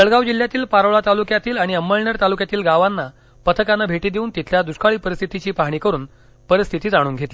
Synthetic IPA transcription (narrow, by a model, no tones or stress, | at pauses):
təɭɡawd͡ʑil̤ːjat̪iːlpaɾəʋɭat̪alukjat̪iːlaɽ̃iəmːəlɳəɾt̪alukjat̪iːlɡaʋanːa | pət̪ʰəkanəbʱeʈiːd̪euːnt̪it̪ʰljad̪uskaɭiːpəɾist̪ʰit̪it͡ɕiːpaɦɽ̃ikəɾuːn | pəɾist̪ʰit̪iːd͡zaɽ̃uːnɡʱet̪li